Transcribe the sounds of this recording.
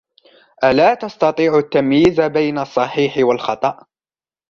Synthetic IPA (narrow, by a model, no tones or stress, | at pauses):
ʔalaːt̪ɑst̪ɑt̪ˤiːʕʊt̪ːamjiːzabajnasˤːɑħiːħɪwalxɑt̪ˤɑʔ